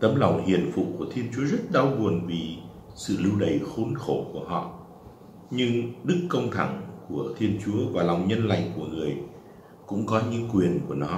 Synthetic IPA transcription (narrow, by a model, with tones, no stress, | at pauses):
t̪ə˨˦mla˨˩wŋ͡mhḭ˨˩ənfṵ˧˨ku˧˩ət̪ʰi˧ənt͡ɕu˨˦əzə˦˥t̚ɗa˧wɣu˨˩ənvi˨˩ | sɨ̰˧˨lɨ˧wɗə˧˩jxo˨˦nxo˧˩ku˧˩əhɔ̰˧˨ | ɲɨ˧ŋɗɨ˦˥kːə˧wŋ͡mt̪ʰa˧˩ŋku˧˩ət̪ʰi˧ənt͡ɕu˨˦əvaː˨˩la˨˩wŋ͡mɲə˧nla̰˧˨˩jŋ̟ku˧˩əŋɨ˨˩əj | kʊ̰˧˥ŋ͡mkɔ˨˦ɲɨ̰˧˥ŋkwi˨˩ənku˧˩ənɔ˨˦